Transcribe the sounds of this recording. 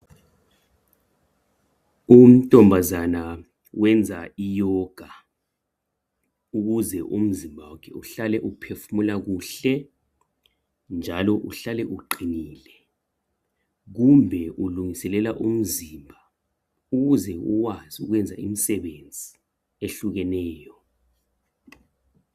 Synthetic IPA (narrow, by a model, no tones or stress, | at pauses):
um̩tʼɔmbʱazana | wɛnd͡zʱaijɔɡ̥ʱa | uk̬uzɛʔṵm̩zimbʱawɔkʰɛuɬalɛʔupʰefumulak̬uːɬɛ | nd͡ʒʱalɔʔuɬalɛʔuǃiniːlɛ | k̬umbʱɛʔuluŋisɛlɛlaʔum̩zimbʱa | uk̬uzɛṵk̬waziṵk̬wɛnd͡zʱa̰ḭmisɛɓend͡zʱi | eɬuk̬ɛnɛːjɔ